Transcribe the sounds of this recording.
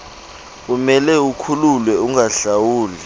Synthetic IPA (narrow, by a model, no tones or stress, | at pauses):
umɛlɛukʰululwɛuŋaɬawuːlɛ